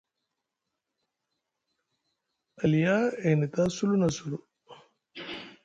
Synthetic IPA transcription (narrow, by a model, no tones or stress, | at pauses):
ɐlijaːenit̪asulunɐsulu